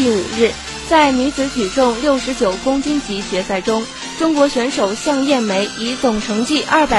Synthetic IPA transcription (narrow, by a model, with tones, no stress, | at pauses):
i˥˩ṵ˨˩ɻɻ̩˥˩ | t͡sa˥˩ɪny˧˥t͡sɹ̩˧˥t͡ɕ̪ʰy˨˩t͡sʊ˥˧ŋljo˥˩ʊʂɻ̩˧˥t͡ɕjo˨˩ʊkʊ˥ŋt͡ɕi˥nt͡ɕi˧˥t͡ɕɥɛ˧˥sa˥˩ɪʈ͡ʂʊ˥ŋ | ʈ͡ʂʊ˥ŋkwɔ˧˥ɕɥɛ˧˥nʂo˨˩ʊɕjɑ˥˧ŋjɛ˥˩nme˧˥ɪi˧˥t͡sʊ˨˩ŋʈ͡ʂʰɤ˧˥ŋt͡ɕi˥˧ʔɐ˥˩pa˨˩